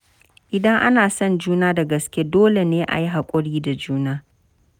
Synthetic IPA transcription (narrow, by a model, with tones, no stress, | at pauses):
ʔɪ˨dɐ˦ŋʔa˦naː˨sɔ˦nd͡ʒuː˦naː˦da˨ɡɐ˨skʲe˦doː˦le˨neː˦ʔa̰˨ji˦ɦa˨kʷʼʊ˦ɽiː˦da˨d͡ʒuː˦naː˦